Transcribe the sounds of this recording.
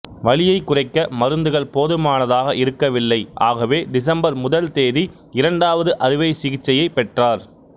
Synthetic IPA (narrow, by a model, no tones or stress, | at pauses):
ʋɐɭɪjɐɪkːʊrɐɪkːɐmɐɾɯnd̪ɯɣɐɭpoːðɯmaːnɐðaːɣɐʔɪɾɯkːɐʋɪlːɐɪʔa̰ːɣɐʋeːɖɪs̬ɐmbɐɾmʊðɐlt̪eːði | ɪɾɐɳɖaːʋɐðɯʔɐɾɪʋɐɪsɪɣɪt͡ʃːɐjɐɪpːɛʈraːɾ